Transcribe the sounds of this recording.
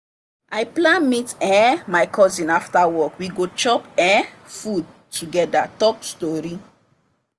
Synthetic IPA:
ajplãnmitɛ̃majkʰɔzĩnaftawɔkwiɡot͡ʃɔpɛ̃n | fud̚ | tʰuɡɛdatɔpstɔɾi

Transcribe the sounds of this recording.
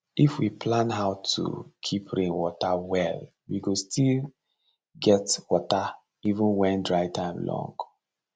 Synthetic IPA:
ifwipʰlãnɦaʊtʰṵkʰipʰɹĩnwɔtawɛl | wiɡostʰil | ɡɛtwɔta | ivə̃nwɛ̃ndɹaɪtʰãɪ̃mlɔ̰̃ŋɡ

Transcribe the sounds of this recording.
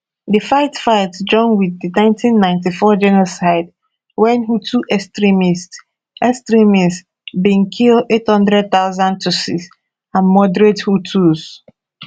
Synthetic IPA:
difaɪtfaɪtd͡ʒɔ̃nwiðdinãɪ̃ntʰĩnːãɪ̃ntifɔd͡ʒɛnosaɪd | wɛ̃nɦutʰuʔɛstɹimist | ɛstɹimis | bĩnkʰilethɔ̃ndɹɛd̚θaʊzãn̚tʰusis | ãnmɔdɹethutʰuz

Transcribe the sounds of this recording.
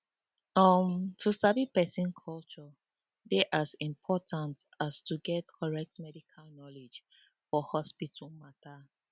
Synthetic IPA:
ɔmtʰusabipɛsĩnkʰɔlt͡ʃɔ | beʔasĩmpʰɔtʰãntastuɡɛtkʰɔɹɛk̚tmɛdikʰalnɔled͡ʒ | fɔhɔspitʰumata

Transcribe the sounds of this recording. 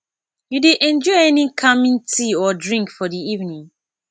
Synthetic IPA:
judeʔɛ̃nd͡ʒɔɪɛnikʰamĩŋtʰiɔdɹĩŋkfɔdiivnĩŋ

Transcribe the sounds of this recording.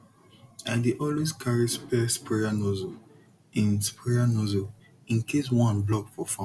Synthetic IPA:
ãdeʔɔlweskʰaɹispɛspɹɛjanɔzo | ĩnspɹɛjanɔzo | ĩnkʰes̬wɔ̃nblɔkfɔfã

